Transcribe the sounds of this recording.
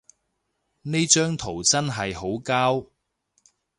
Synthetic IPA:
ne˥jt͡ʃœː˥ŋt̪ʰo˨˩wt͡sɐ˥nɦɐ˨jɦo˨˥wkaː˥w

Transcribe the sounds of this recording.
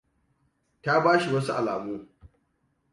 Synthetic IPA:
ta˦baː˦ʃi˨wɐ˦su˦ʔa̰˨laː˨muː˦

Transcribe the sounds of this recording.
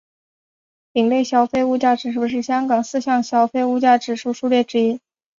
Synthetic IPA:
pi˨˩ŋle˥˩ɪɕjɑ˥ʊfe˥ɪu˥˧t͡ɕja˥˩ʈ͡ʂɻ̩˨˩ʂɻu˥˩˧ʂ̬ɻ̩˥˩ɕjɑ˥ŋkɑ˨˩ŋsɹ̩˥˧ɕjɑ˥˩ŋɕjɑ˥ʊfe˥˧ɪu˥˧t͡ɕja˥˩ʈ͡ʂɻ̩˨˩ʂu˥˧ʂu˥˧ljɛ˥˩ʈ͡ʂɻ̩˥i˥

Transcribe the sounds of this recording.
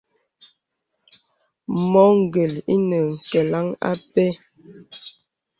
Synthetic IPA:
mɔ˨˦ŋ̩˦˨ɡə˨lḭ˦nə˨ŋ̩˨kɛ˨la˦ŋa̰˦pe˦

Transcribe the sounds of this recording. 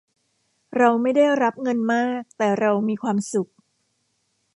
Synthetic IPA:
ɾa˧wma˥˩jda˥˩jɾa˦˥p̚ŋɤ˧nmaː˥˩k̚t̪ɛː˨˩ɾa˧wmiː˧kʰwaː˧msu˨˩k̚

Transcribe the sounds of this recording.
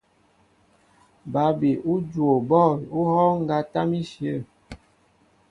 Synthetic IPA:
ba˨˦be˨ʔu˦d͡ʒwo˨bɔ˦˨u˦hɔ˦ŋ̩˦ɡa˦ta˦mi˦ʃjə˦˨

